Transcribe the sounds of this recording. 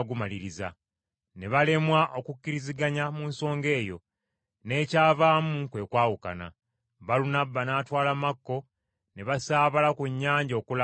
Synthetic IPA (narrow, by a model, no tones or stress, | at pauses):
ɡumaliɾiza̰ | ne̞βale̞mwaʔo̞kucːiɾiziɡaɲamuːnso̞ːŋɡe̞ːjo̞̰ | ne̞ːcaːvaːmuŋkwe̞ːkwaːwuka̰na̰ | βalunabːanaːtwaːlamakːo̞ | ne̞βasaːβalakuɲːaːɲɟo̞ːkula